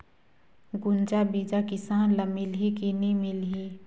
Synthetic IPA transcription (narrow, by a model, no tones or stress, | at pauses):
ɡʊnd͡ʒabid͡ʒakɪsaːnləmilɦikinimilɦi